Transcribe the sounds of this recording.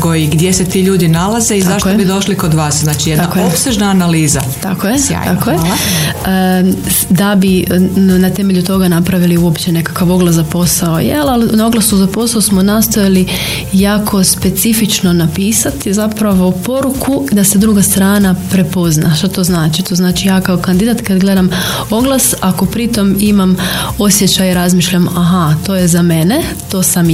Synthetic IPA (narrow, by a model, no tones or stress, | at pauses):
koiɡd̪jeset̪iːʎuːd̪inalazeizaʃtkobid̪o̞ʃlikod̪ʋaːsznaːt͡ʃijed̪nakojopseʒnaːnaliːza | t̪a̰kojea̰akoje | d̪abinat̪e̞me̞ʎut̪o̞ɡanapɾaʋiliuo̞pt͡ɕene̞kḁkaʋo̞ɡlˠazapo̞saojelalnaoɡlˠasuzapo̞saosmonast̪ojali | jaːkʰo̞spe̞t̪sifit͡ʃno̞napiːsat̪izapɾaʋo̞po̞ɾukʰud̪ase̞d̪ɾuɡast̪ɾaːnapɾe̞po̞znaʃt̪at̪o̞znaːt͡ʃit̪o̞znaːt͡ʃijaːkaokand̪id̪at̪kad̪ɡle̞d̪am | o̞ɡlˠasako̞pɾit̪o̞mimamo̞sjet͡ɕajiɾazmiːʃʎamaɦat̪o̞ːjezame̞ne | t̪o̞ːsam